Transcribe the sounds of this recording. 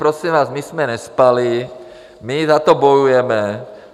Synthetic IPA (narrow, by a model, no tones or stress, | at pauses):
pɾɔsimʋaːzmismɛɲɛspali | mizat̪ɔbɔjujɛmɛ